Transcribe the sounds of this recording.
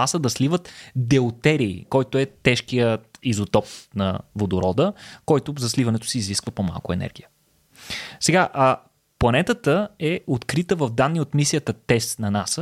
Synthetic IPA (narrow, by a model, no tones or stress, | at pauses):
asəd̪ɐslivət̪d̪ɛʊt̪ɛɾiːkɔjt̪oɛt̪ɛʃkijəizot̪ɔp̚nɐ̰vod̪ʊɾɔd̪əkɔjt̪ʊzɐslivɐnɛt̪ʊ̥siːzliskvəpoma̰lˠkʊɛ̰nɛ̰ɾɡ̟ʲijə | sɛɡaʔə | plˠɐnɛt̪ət̪əɛot̪kɾit̪əvəvd̪anːiot̪misijət̪ət̪ɛsnɐnasə